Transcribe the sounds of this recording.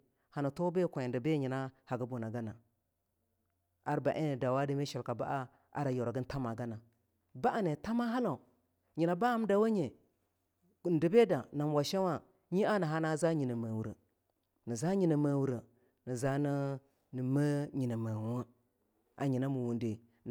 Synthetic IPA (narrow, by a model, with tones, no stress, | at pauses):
ha˨na˨to˦be˦kʷn˨də˨be˦ɲi˨na˦ha˨ɡə˦bo˨na˨ɡa˦na˨ | a˦ɾba˨ʔe˦ə˨da˨wa˦di˦me˦ʃa˨lka˨ba̰˦ʔa˦ | a̰˦ɾa˨jo˨ɾa˨ɡə˦n˦ta˦ma˨ɡa˦na˨ | ba˦ʔa˨ne˨ta˦ma˦ɦa˦la˨ | ɲi˨na˨ba˦a˦m˦da˨wa˦ɲe˨ | n̩˨də˨be˦da˨na˨m˨wa˨ʃa˦wa˦ | ɲi˦a˦nə˨ɦa˦na˦za˦ɲi˨na˨ma˨wu˨ɾə̰˨ | ni˨za˦ɲi˨nə˨ma˨wu˨ɾə˨ | nə˨za˦nə˦ | nə˨ma˦ɲi˨na˨ma˨wa˦ | a̰˨ɲi˨na˦mu˨wu˨nde˨